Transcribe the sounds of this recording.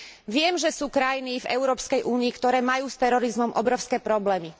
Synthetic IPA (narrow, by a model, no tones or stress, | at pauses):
ʋɪɛmʒɛsuːkɾajinivɛ̰ʊɾɔːpskɛjʔuːniːkt̪ɔɾɛːmajuːst̪ɛɾɔɾizmɔmʔɔbɾɔʊskɛːpɾɔblɛːmi